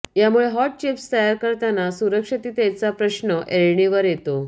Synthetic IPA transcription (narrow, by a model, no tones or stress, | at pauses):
jamuɭeɦɔʈ̚t͡ɕipst̪əjaɾkəɾt̪anasuɾəkʂət̪iːt̪jat͡sapɾəɕnəʔeɭɳiʋəɾjet̪o